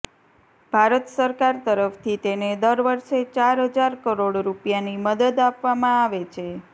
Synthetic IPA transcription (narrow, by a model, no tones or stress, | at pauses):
bʱaɾət̪səɾkaɾt̪əɾəft̪ʰit̪ened̪əɾʋəɾʃet͡ʃaɾɦəd͡ʒaɾkəɾoɽɾupjaniməd̪əd̪apʋamãaʋet͡ʃʰe